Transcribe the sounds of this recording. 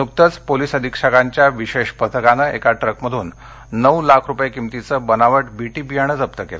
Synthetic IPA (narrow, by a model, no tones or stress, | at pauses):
nuk̚t̪ət͡spolisəd̪ʱikʂakaɲt͡ɕjaʋiɕeɕpət̪ʰəkanəʔekaʈɾəkməd̪ʱuːnː | əwlakʰɾupjekimt̪it͡səbənaʋəʈbiʈiːbijaɽ̃ət͡səpt̪əkel